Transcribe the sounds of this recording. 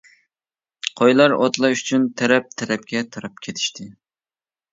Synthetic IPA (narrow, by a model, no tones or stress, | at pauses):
qʰojlˠɑɾot̪lˠɑyt͡ʃʰynt̪ʰɛɾɛp̚t̪ʰɛɾɛp̚kʲɛt̪ʰɑɾɑp̚kʲʰet̪ʰɪ̥ʃt̪ʰɪ